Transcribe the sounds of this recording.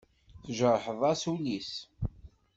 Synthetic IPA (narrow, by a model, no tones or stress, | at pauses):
θəʒəɾˤħəðˤæsulis